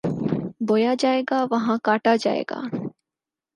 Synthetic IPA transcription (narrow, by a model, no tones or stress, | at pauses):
bojaːd͡ʒaːeɡaːʋɐɦãːkaʈaːd͡ʒa̰ːjḛɡa̰ː